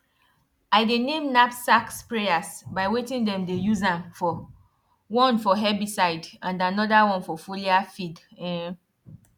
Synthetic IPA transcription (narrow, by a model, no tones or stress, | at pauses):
aɪdenẽmnapsakspɹejasbaɪwetĩndɛ̃mdejuzãmfɔ | wɔ̃nfɔɦɛbisaɪdãndanɔdawɔ̃nfɔfuliafidɛ̃